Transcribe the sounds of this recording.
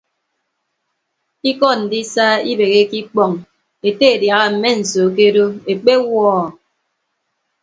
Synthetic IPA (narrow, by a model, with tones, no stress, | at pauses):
i˦kɔ˦˨n̩˨di˦saː˦i˦be˨ɣe˦ki˦k͡pɔ˨ŋ | e˨te˦e˨dja˨ɣa˦m̩˨me˦n̩˨so˨k̬e˦do˦e˨k͡pe˦wɔː˦˨